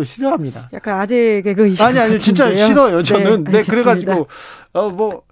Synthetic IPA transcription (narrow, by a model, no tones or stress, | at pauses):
oɕʰiɾʌɦamɲidajakk͈anad͡ʑeɡeɡɯaɲiaɲimet͡ɕint͡ɕ͈aoɕiɾʌjot͡ɕʌnɯnne̞kɯɾe̞ɡad͡ʑiɡoʌmʌ